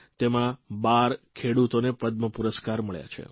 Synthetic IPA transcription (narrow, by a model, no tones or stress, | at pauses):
t̪emãbaɾkʰeɽut̪onepəd̪̚məpuɾəskaɾməɭja̰t͡ʃʰḛ